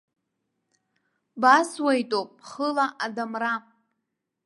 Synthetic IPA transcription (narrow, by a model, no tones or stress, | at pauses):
baswajtʼopʼχəlaʔadamra